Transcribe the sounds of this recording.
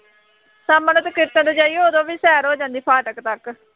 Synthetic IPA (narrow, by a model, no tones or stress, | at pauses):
saːmənːt̪əkɪɾt̪ə̃d̪od͡ʒaːiːoːd̪õːʋiːsɛːɾoːd͡ʒãːnd̪iːpʰaːʈəkt̪ək